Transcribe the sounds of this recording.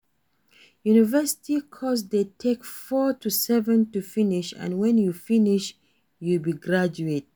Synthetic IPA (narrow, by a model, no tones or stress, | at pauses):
junivɛsɪ̥tikʰɔsdetʰekfɔtʰusɛvə̃ntufɪnɪʃə̰̃nwɛ̃njufɪnɪʃ | julbiɡɹad͡ʒuet̚